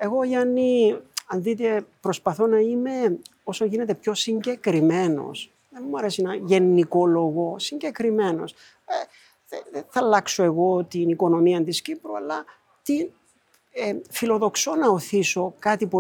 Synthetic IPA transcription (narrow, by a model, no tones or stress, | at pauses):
e̞ɣo̞ʝɐnːiɐnðit̪̬e̞pɾo̞spɐθo̞nɐime̞o̞soʝine̞t̪e̞pço̞siɲɟe̞kɾime̞no̞̰s | ðenmuɐɾesinɐʝe̞nːiko̞lo̞ɣo̞siɲɟe̞kɾime̞no̞̰s | e | ðeðeθɐlɐksoe̞ɣo̞t̪iniko̞no̞miɐnt̪iscipɾuɐlːɐ | t̪i | efilo̞ðo̞kso̞nɐoθiso̞kɐt̪ipu